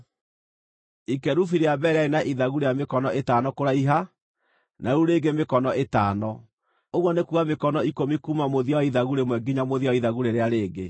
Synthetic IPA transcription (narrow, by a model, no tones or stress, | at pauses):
ikɛɾufiɾeabɛɾeaenaʔiðaɣuɾejamekɔnɔʔetaːnɔkoɾaiɦa | naɾuɾeːɡemekɔnɔetaːnɔ | oɣwɔnekuɣamekɔnɔikomikumamoðiawaiðaɣuɾemwɛɡiɲamoðiawaiðaɣuɾeɾeaɾeːɡe